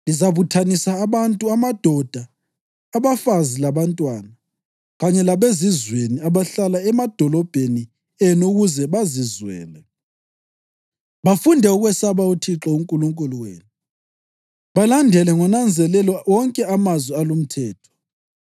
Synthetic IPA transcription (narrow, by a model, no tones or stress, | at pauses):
lizaβutʰanisaːβantʼuamad̥ʱɔd̥ʱaː | βafazilaβantʼwana | ɣaɲɛlaβezizweniaβaɬalaɛmad̥ʱɔlɔb̥ʱeni | ɛnuɣuzɛβazizwɛ̰ːlɛ | βafundʱɛuɣwɛsaβautʰiǁɔuŋkʼuluŋkʼuluwḛːnu | βalandʱɛlɛŋɔnand͡zʱɛlɛlɔɔŋkʼɛamazwialum̩tʰɛːtʰɔ̥